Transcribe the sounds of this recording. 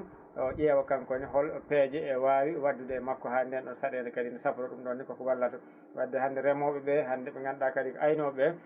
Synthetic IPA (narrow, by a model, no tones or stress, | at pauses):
ɗɔʔɛwakaŋkɔniɦɔlpɛd͡ʒɛːwaːwiwadːudɛːmakːɔhandɛnɗɔsaɗɛndɛkadindɛsafɾɔɗumɗɔnːikɔkɔwalːatɔ | wadːɛhandɛɾɛmɔɓɛɓɛhandɛɛŋɡanɗakaɾikɔʔajnɔɓɛ